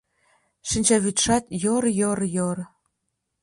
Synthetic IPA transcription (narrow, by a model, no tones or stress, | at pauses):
ʃɘnʲt͡ɕɑβyt̪ʃɑt̪jorjoɾjor